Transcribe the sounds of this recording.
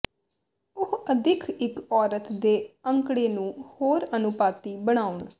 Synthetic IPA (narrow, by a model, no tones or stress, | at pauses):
ʊhəd̪ʱɪkʰɪkɔːɾət̪d̪eːəŋkɽeːnũːhoːɾənʊpaːt̪iːbəɽ̃aːʊɳ